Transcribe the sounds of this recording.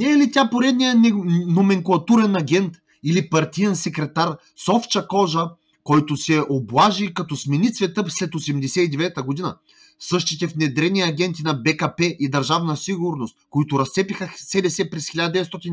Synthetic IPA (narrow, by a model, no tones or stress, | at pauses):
nɛlit̪ʲapoɾɛd̪nʲijənomɛŋkulˠɐt̪uɾɛnɐɡʲɛnt̪ | ilipɐɾt̪ʲijɛnsɛkɾɛt̪aɾ | sɔft͡ʃɐkɔʒə | kɔjt̪ʊsɛʔoblˠaʒikɐt̪ɔsmɛnit̪svɛt̪ɤslɛt̪osɛmd̪ɛsɛid̪ɛvɛt̪əɡod̪inə | sɤʃt̪it̪ɛfnɛd̪ɾɛnʲiɐɡʲɛnt̪inɐbɛkɐpɛʔid̪ɐɾʒavnəsiɡʊɾnost̪koit̪ʊɾɐst̪sɛpixəsɛd̪ɛsɛpɾɛsxʲilʲad̪əd̪ɛvɛt̪st̪ɔt̪ʲin